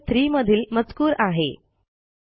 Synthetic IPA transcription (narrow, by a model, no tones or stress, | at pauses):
t̪ɾiːməd̪ʱiːlmət͡skuːɾaɦḛ